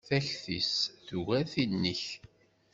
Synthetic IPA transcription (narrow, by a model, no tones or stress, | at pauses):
θæçθisθuɣæɾθinːəç